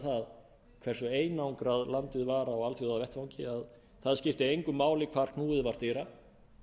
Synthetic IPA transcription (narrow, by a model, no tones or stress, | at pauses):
θað | kʰvɛr̥sʏeːjnawŋkɾaðlant̪ɪðvaːɾaɔɣalθjuðaðvjɛht̪fawŋcɪað | θaðscɪft̪ɪejŋkʏmːaːwlɪkʰv̥aɾ̥kʰnuːðɪðvaɾ̥t̪eːɾa